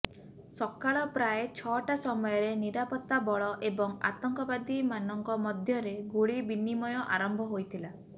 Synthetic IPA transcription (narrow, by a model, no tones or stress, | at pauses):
sɔkaɭɔpɾajet͡ʃʰɔʈasɔmɔjɔɾeniɾapɔt̪ːabɔɭɔʔebɔŋa̰t̪ɔŋkɔbad̪imanɔŋkɔmɔd̪ʱjɔɾeɡuɭibinimɔjɔʔaɾɔmbʱɔɦojt̪ʰila